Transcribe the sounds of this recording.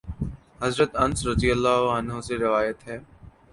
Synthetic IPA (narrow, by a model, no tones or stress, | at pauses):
hɐzɾət̪ɐnsɾɐd̪ijəlːaːɦɐnɦoseɾɪʋaːjət̪ɦɛː